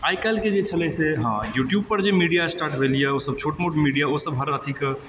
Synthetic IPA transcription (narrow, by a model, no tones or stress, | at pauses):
ajkalked͡ʒet͡ʃʰəlɛseɦãjuʈjub̚pəɾd͡ʒemiɖijasʈaːɾʈbʱelijeosəb̚t͡ʃʰoʈmoʈmiɖijaosəbɦəɾat̪ʰik